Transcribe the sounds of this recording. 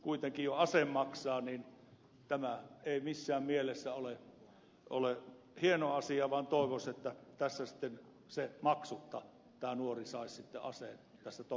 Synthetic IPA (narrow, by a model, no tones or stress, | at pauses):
kuit̪eŋkijjoɑsemːɑksɑːniːn | t̪æmæeˑimisːæːmmielesːæole | ole | hienoɑsiɑʋɑnt̪oˑeʋoset̪ːæt̪æsːæsi̥t̪ːen | semɑksut̪ːɑ | t̪æːnuorisɑˑissit̪ːḛʔɑ̰sen | t̪æsːæt̪o